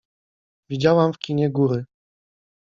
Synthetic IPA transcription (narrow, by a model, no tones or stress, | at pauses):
vʲid͡ʑawamfkʲiɲɛɡuɾɘ